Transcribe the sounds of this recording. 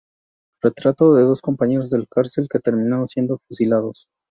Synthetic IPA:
re̞t̪ɾat̪o̞ðe̞ðo̞sko̞mpaɲe̞ɾozðe̞lakaɾse̞lke̞t̪e̞ɾmĩnaɾo̞nsje̞nd̪o̞fusilaðo̞s

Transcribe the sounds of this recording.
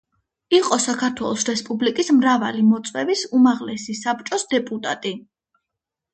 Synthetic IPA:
iqʼɔsakʰaɾt̪ʰwɛlˠɔsɾɛspʼublikʼismɾava̰limɔt̪sʼwɛvisumaʁlɛsisap̚t͡ʃʼɔsd̪ɛpʼut̪ʼa̰t̪ʼi

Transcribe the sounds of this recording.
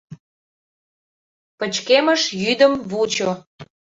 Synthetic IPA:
pət͡ɕkeməʃjyd̪əmβut͡ɕo

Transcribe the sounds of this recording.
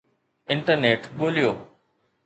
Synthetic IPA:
ɪ̃ɳʈəɾneːʈɓoːlijoː

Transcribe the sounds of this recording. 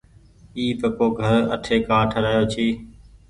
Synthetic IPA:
iːpəpoːɡʱəɾə̰ʈʰeːkaːʈʰəɾaːjoːt͡ʃʰiː

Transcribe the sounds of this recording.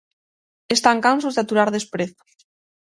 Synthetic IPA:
est̪aŋkansozðeat̪uɾaɾðespɾeθo̥

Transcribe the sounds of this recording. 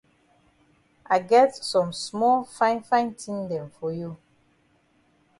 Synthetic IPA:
ʔaɪɡɛtsɔ̃msmɔlfãɪ̃nfãɪ̃ntʰĩŋdɛ̃mfɔju

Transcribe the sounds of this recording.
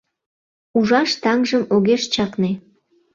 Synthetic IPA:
uʒɑʃt̪ɑŋʒəmoɣeʃt͡ɕɑkne

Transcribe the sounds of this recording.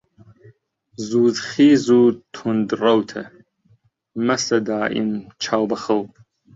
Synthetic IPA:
zuːzχiːzutʰʊndrɐwtʰɐ̰ | mɐsɐdaːʔḭmt͡ʃʰawbɐχəlpʼ

